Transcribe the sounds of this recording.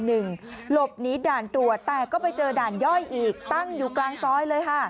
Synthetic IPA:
nɯ˨˩ŋlo˨˩p̚niː˦˥daː˨˩nt̪ɾu˨˩ət̪ːɛː˨˩kɔː˥˩pa˧jt͡ɕɤː˧daː˨˩njɔ˥˩jʔiː˨˩k̚t̪a˥˩ŋjuː˨˩klaː˧ŋsɔː˦˥jlɤː˧jkʰa˧˩

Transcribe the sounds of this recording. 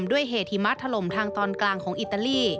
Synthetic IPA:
mdu˥˩əjɦeː˨˩t̪̚hi˩˦ma˦˥t̪ʰːa˧lo˩˦mt̪ʰaː˧ŋt̪ɔː˧nklaː˧ŋkʰɔː˩˦ŋʔi˨˩t̪ːa˧liː˥˩

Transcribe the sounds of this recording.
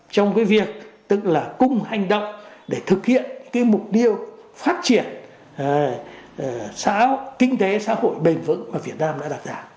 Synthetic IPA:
t͡ɕɔ˧wŋ͡mkaː˨˦jvi˨˩ək̚t̪ɨ˧˥k̚laː˨˩kʊ˧ŋ͡mha˨˩jŋ̟ɗə̰˧˨wŋ͡mɗe˧˩t̪ʰɨ˨˩k̚hḭ˧˨ənɨ˧˥ŋkaː˨˦jmʊ˨˩k͡p̚t̪i˧əwfaː˦˥t̚t͡ɕi˧˩ən˨ | sa̰ː˧˥kï˧ŋ̟t̪e˨˦sa̰ː˧˥ho̰˧˨jɓi˨˩ŋ̟vɨ̰˧˥nmaː˨˩vi˨˩ət̚naː˧mɗa̰ː˧˥ɗa˨˩t̚zaː˧˩

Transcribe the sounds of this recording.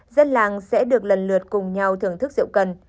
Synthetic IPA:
zə˧nlaː˨˩ŋsɛ̰˧˥ɗɨ˨˩ək̚lə˨˩nlɨ˨˩ət̚kʊ˨˩ŋ͡mɲa˨˩wt̪ʰɨ˨˩əŋt̪ɨ˦˥k̚zɨ̰˧˨wkə˨˩n

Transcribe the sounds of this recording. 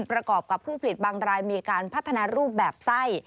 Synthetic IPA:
npɾa˧kɔː˨˩p̚ka˨˩pʰuː˥˩pʰa˨li˨˩t̪̚baː˧ŋɾaː˧jmiː˧kaː˧npʰa˦˥˩t̪ʰːa˧naː˧ɾuː˥˩p̚bɛː˨˩p̚sa˥˩j

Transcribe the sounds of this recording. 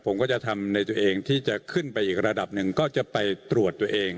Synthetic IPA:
pʰo˩˦mkɔː˥˩t͡ɕa˨˩t̪ʰa˧mna˧jt̪u˧ʔeː˧ŋt̪ʰiː˥˩t͡ɕa˨˩kʰɯ˥˩npa˧jʔiː˨˩k̚ɾa˧da˨˩p̚nɯ˨˩ŋkɔː˥˩t͡ɕa˨˩pa˧jt̪ɾu˨˩ət̪ːu˧ɐəʔeː˧ŋ

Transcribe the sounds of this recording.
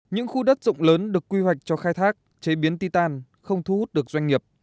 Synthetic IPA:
ɲɨ̰˧˥ŋxu˧ɗə˦˥t̚zʊ̰˧˨ŋ͡mləː˨˦nɗɨ˨˩əkːwi˧wa˨˩jk̟̚t͡ɕɔ˧xaː˧jt̪ʰaː˦˥k̚ | t͡ɕe˨˦ɓi˨˦ənt̪i˧t̪aː˧n | xə˧wŋ͡mt̪ʰu˧hu˦˥t̚ɗɨ˨˩ək̚zwa˧jŋ̟ŋi˨˩əp̚

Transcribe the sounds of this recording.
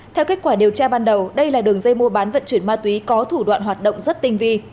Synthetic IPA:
t̪ʰɛ˧wke˦˥t̚kwaː˧˩ɗi˨˩əwt͡ɕaː˧ɓaː˧nɗə˨˩wɗə˧jlaː˨˩ɗɨ˨˩əŋzə˧jmu˧əɓaː˨˦nvə̰˧˨nt͡ɕwənmaː˧t̪wi˨˦kɔ˨˦t̪ʰu˧˩ɗwa̰ː˧˨nɦwaː˨˩t̚ɗo̰˧˨wŋ͡mzə˦˥t̚t̪ï˧ŋ̟vi˧

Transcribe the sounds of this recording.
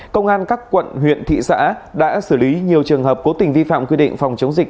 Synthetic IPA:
kə˧wŋ͡mʔaː˧nkaː˦˥kːwə̰˧˨nɦwḭ˧˨ənt̪ʰḭ˧˨sa̰ː˧˥ɗa̰ː˧˥sɨː˧˩li˨˦ɲi˨˩əwt͡ɕɨ˨˩əŋɦəː˨˩p̚ko˨˦t̪ï˨˩ŋ̟vi˧fa̰ː˧˨mkwi˧ɗḭ̈˧˨ŋ̟fa˨˩wŋ͡mt͡ɕə˨˦wŋ͡mzi˨˩k̚

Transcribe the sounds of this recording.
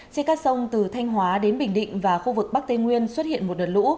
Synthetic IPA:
t͡ɕe˧nkaː˦˥ksə˧wŋ͡mt̪ɨ˨˩t̪ʰa˧jŋ̟ɦwaː˨˦ɗe˨˦nɓï˨˩ŋ̟ɗḭ̈˧˨ŋ̟vaː˨˩xu˧vɨ˨˩k̚ɓa˦˥k̚t̪e˧ŋwi˧ənswə˦˥t̚hḭ˧˨ənmo˨˩t̚ɗəː˨˩t̚lṵ˧˥

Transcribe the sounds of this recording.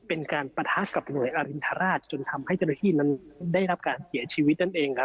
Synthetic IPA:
pe˧nkaː˧npa˧t̪ʰaː˦˥ka˨˩p̚nu˨˩əjʔaː˧ɾi˧nt̪ʰa˧ɾaː˥˩t̪̚t͡ɕo˧nt̪ʰa˧mha˥˩jt͡ɕa˥˩na˥˧t̪ʰiː˥˩na˦˥ndaː˥˩jɾa˦˥p̚kaː˧nsi˩˦ɐt͡ɕʰiː˧w̪̚na˥˩nʔeː˧ŋ˦˥

